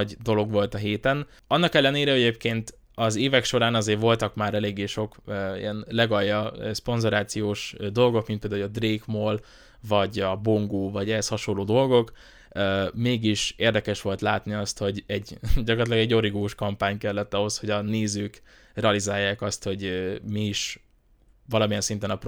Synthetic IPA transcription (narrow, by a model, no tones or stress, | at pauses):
ɟd̪o̞lo̞ɡʋo̞lt̪ɒɦeːt̪ɛn | ɒnːɒkɛlːɛneːɾɛɛɟeːpkeːnt̪ | ɒzeːvɛkʃo̞ɾaːnɒzeːrʋo̞lt̪ɒkmaːɾɛleːɡːeːʃo̞kːḭjɛnlɛɡɒjːɒspo̞nzo̞ɾaːt̪sijoːʃd̪o̞lɡo̞k̚mint̪pɛːd̪aːuɒd̪reːkmoːl | vɒɟɒboŋɡoːvɒɟɛɦɛshɒʃo̞nlːoːd̪o̞lɡo̞kː | meːɡiʃeːrd̪ɛkɛʃʋo̞lt̪laːt̪niɒst̪ho̞ɟɛɟɟɒkoɾt̪lɛɡɛɟːo̞ɾiɡoːʃkɒmpaːɲkɛlːɛt̪ːɒɦo̞sho̞ɟɒneːzøːk | rɛɒlizaːjːaːkɒst̪ho̞ɟmiiʃ | vɒlɒmijɛnsint̪ɛnɒp